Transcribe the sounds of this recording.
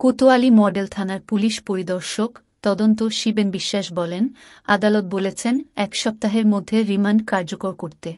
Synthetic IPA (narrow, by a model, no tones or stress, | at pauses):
kot̪oalimɔɖelt̪ʰanaɾpuliʃpoɾid̪ɔɾʃok | t̪ɔd̪ont̪oʃibenbiʃːaʃbɔlen | a̰d̪alot̪̚bolet͡ɕʰenɛkʃɔp̚t̪aɦeɾmod̪ʱːeɾimanɖkaɾd͡ʑokoɾkoɾt̪e